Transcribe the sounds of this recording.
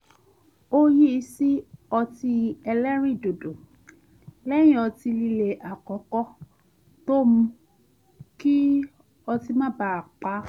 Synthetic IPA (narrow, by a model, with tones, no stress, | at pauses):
o˦ji˦˧si˦ɔ˧ti˧ɛ˧lɛ˦ɾ̃ĩ˦˨do˨do˨ | lɛ̃˦ĩ˦˨ɔ˧ti˧li˧le˨ʔa˨kɔ˨˦kɔ˦ | to˦mũ˧ | ki˦ | ɔ˧ti˧mã˦˨ba˧a˨k͡pa˧˦